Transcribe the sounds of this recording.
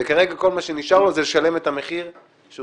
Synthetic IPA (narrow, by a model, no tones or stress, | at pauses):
ekaʁe̞ɡako̞lmaʃeniʃaʁlo̞zeleʃale̞me̞t̪hame̞χiʁ | ʃe